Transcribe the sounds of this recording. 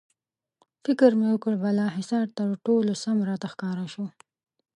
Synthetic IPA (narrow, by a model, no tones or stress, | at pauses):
fɪkɪɾmewəkəɽbalɑɦɪsɑɾt̪əɾʈolosamɾɑt̪axkɑɾaʃo